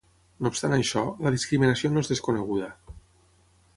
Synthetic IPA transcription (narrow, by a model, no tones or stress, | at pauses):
noːpst̪anajʃɔləðiskɾiminasionoezðeskoneɣ̞uðɐ